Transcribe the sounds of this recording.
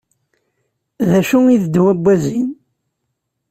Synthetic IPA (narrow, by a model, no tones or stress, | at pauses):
ðæʃuiðd̪wæbːæzin